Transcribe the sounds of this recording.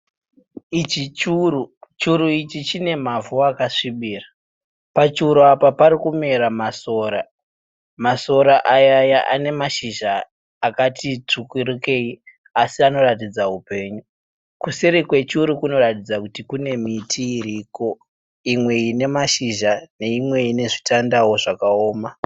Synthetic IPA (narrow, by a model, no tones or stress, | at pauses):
it͡ʃit͡ʃurut͡ʃuɾuit͡ʃit͡ʃine̞mavuakaʂiɓira | pat͡ʃiuɾuapapaɾikume̞ɾamaso̞ɾa | maso̞ɾaʔajajaʔa̰ne̞maʃiʒaː | katit͡sukwiɾike̞i | asiano̞ratid͡zaupe̞ːɲu | kusiɾikwe̞t͡ʃuɾikuno̞ratid͡zakutikune̞mitʰiːɾiːko̞ | imwe̞ine̞maʃiʒane̞imwe̞ine̞ʐitandawo̞ʐakao̞ːma